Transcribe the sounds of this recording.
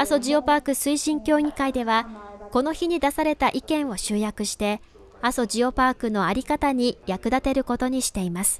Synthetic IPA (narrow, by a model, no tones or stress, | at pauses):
aso̞ʑio̞paːkɯ̟sɨiɕĩŋkʲo̞ːiikaid̪e̞βako̞no̞çiɲ̟id̪asaɾe̞t̪aʔikẽ̞ɰ̃o̞ɕɨːjakɯ̟ɕi̥t̪e̞ | aso̞d͡ʑio̞paːkɯ̟no̞aɾʲikat̪aɲ̟ijakɯ̟d̪at̪e̞ɾɯ̟ko̞t̪o̞ɲ̟iɕi̥t̪e̞imasɨ̥